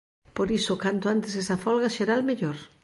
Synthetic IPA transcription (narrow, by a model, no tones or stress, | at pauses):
poɾisokant̪oant̪esesɐfɔlɣaʃeɾalmeʎoɾ